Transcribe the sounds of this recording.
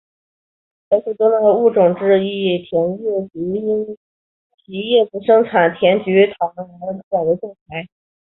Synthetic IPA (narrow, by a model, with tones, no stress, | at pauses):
e˥ʂ̩˥˩t̪o˥ŋla˥˧u˥˩ʈ͡ʂʊ˨˩ŋʈ͡ʂɻ̩˥˧i˥˩t̪ʰjɛ˧˥njɛ˥˩t͡ɕy˧˥˧i˥n | t̪ʰi˧˥jɛ˥˩pu˧˥ʂɤ˥ŋt͡sʰa˨˩nt̪ʰjɛ˧˥nt͡ɕy˧˥t̪ʰɑ˧˥n˥˧˥a˨˩d̪ə˧˥ʈ͡ʂʊ˥˩ŋt͡sʰa˧˥ɪ